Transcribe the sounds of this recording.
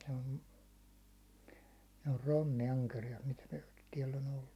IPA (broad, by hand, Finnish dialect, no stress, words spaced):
se on ne or ronːiɑnkerijɑt mitæ tiɛlː on olːu